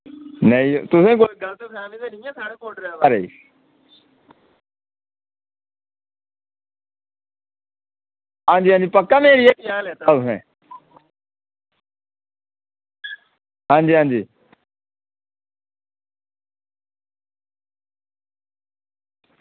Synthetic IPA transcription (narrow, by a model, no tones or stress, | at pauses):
nəĩt̪ʊsẽːkoːiɡəlt̪eːpʰɛːmiːt̪eːnɪ̃ːãːsaːɽeːkoːʈɾaaɾeḭː | ɦãːnd͡ʒiːãːnd͡ʒiːpəkːaːmeːɾiːeːkːaːlɛːt̪aːt̪ʊsḛ̃ː | ɦãːnd͡ʒiːɦãːnd͡ʒiː